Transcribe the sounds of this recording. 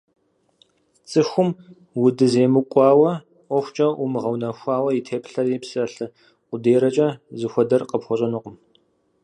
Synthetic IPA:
t͡sʼɨxʷʊm | wʊdɨzeːmɨkʷʼɑːwɐ | ʔʷɔxʷt͡ʃʼɐʔumɨʁɐwnɐxʷɑːwɐjitʰeːpɬɐripsɐɬɨ | ʊdeːɾɐt͡ʃʼɐzɨxʷɔdɐrqəpxʷɔɕʼɐnuqəm

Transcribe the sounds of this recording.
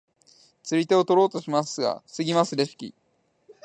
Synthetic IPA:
t͡sɨɾʲit̪e̞o̞t̪o̞ɾo̞ːt̪o̞ɕimasɨɡa̰sɨɡʲimasɨɾeɕi̥kʲḭ

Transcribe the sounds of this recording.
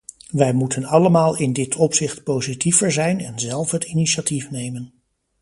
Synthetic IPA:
ʋɛjmutʰənɑləmaːlˠɪndɪtʰɔpsɪχtpowzitivəɹzɛjnɛnzɛlˠfɦətiniʃatifnejmən

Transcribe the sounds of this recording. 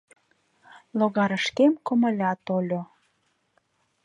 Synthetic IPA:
loɣɑɾəʃkemkə̆mə̆lʲɑt̪olʲo

